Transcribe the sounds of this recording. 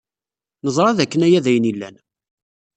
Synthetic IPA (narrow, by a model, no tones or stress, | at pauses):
nəzˤɾˤɑðækːənæjæðæjənilːæ̰n